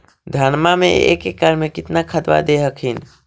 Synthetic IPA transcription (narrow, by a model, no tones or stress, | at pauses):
d̪ʱanmamḛḛkekəɾmekɪt̪nakʰəd̪ʋa̰d̪eɦəkɦin